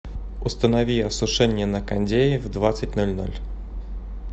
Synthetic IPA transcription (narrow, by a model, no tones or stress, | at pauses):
ust̪ənavʲiɐsʊʂɛnʲɪjɛnɐkanʲdʲejɪvd̪vat̪sɨt̚ʲnɔlʲnɔ̰lʲ